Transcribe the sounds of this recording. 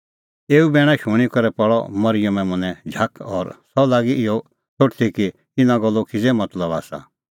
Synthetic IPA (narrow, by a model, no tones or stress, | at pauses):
eːubɛːɽ̃aʃuɽ̃ikɔɾɛpɔɭɔ̰mɐɾɪjəmɛ̃mʊnɛ̃d͡ʒʱakʰɔɾsɔlaːɡiʔɪɔ | t͡sʰoʈt̪ʰikit̪ɪnãɡɔlːokʰɪd͡zɛmɐt̪ləba̰ːsa̰